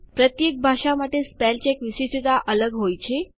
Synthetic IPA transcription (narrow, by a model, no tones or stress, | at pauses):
pɾət̪jek̚bʱaʂamaʈespɛlt͡ɕekʋisisit̪aʔələɡɦojt͡ɕʰe